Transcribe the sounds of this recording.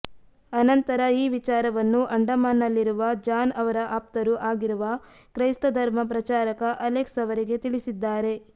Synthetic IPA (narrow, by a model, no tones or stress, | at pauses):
ɐnɐnt̪ɐɾɐiːʋit͡ʃaːɾɐʋɐnːuʔɐɳɖɐmaːnːɐlːiɾuʋɐd͡ʒaːnɐʋɐɾɐʔaːp̚t̪ɐɾuʔaːɡiɾuʋɐ | kɾɐjst̪ɐd̪ʱɐɾmɐp̬ɾɐt͡ʃaːɾɐkɐʔɐleksɐʋɐɾiɡe̞t̪iɭisid̪ːaːɾe̞